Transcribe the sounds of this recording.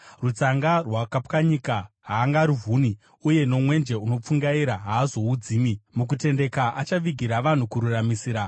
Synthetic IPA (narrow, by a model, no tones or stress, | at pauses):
rut͡saŋɡarwakapkaɲikaɦaːŋɡaːɾuvʱuni | uje̞no̞mwe̞nd͡ʒe̞uno̞p͡fuŋɡaiɾaɦaːzo̞ud͡ziːmimuk̬ute̞nde̞kaʔat͡ʃaʋiɡʱiɾaʋan̤ukuɾuramisiːɾa